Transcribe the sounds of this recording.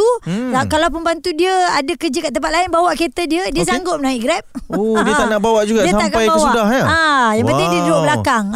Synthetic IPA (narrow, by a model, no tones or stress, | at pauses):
uakalawp̬ənbant̪udiəadəkəd͡ʒəkaʔt̪əmpat̪̚laɪnbawaʔket̪ədiədiəs̬aŋɡʊt̪̚naiɡɾɛp̚odiət̪anaʔbawaʔd͡ʒuɡadiəsaamʔkaajbaswuaʔdahaajaŋbətdaŋdiədudʊʔbəlakaŋ